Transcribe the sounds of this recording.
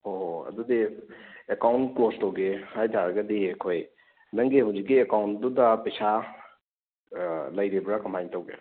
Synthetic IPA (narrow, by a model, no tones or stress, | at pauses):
hoɦoɐ̰dudiekawntklostɐwɡehajtʰaɾɐɡɐdiekʰoj | nɐŋɡeɦawzikːiekawntdudɐpɐjsa | lɐjɾebɾakɐmajntɐwɡḛ